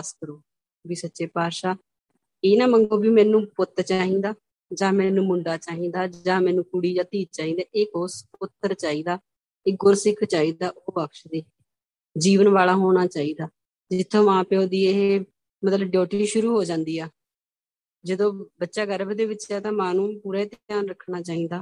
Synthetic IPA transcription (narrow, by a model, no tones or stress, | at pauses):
skəɾoː | biːsətːʃeːpaːɾʃaː | eːnaːməŋɡoːbiːmɛːnũːpʊt̪ːəɾt͡ʃaːɦĩːd̪aː | d͡ʒãːmɛːnũːmʊɳɖaːt͡ʃaːɦĩːd̪aːd͡ʒãːmɛːnũːkʊɽiːd͡ʒãːt̪iːd͡ʒt͡ʃaːɦĩːd̪aːʔekoːspʊt̪ːəɾt͡ʃaːiːd̪aː | ɪɡʊɾsɪkʰt͡ʃaːiːd̪aːʔoːbəkʃd̪eː | d͡ʒiːʋənʋaːlaːɦoːñaːt͡ʃaːiːd̪aː | d͡ʒɪt̪ʰːõːʋãːpeõːd̪iːee | mət̪ləbɖjɔːʈiːʃʊɾuːɦoːd͡ʒãːnd̪iːɛː | d͡ʒəd̪õːbətːʃaːɡəɾəbd̪eːʋɪt͡ʃɛːt̪ãːmãːnũːpuːɾɛːt̪jaːnɾəkʰnaːt͡ʃaːĩːd̪aː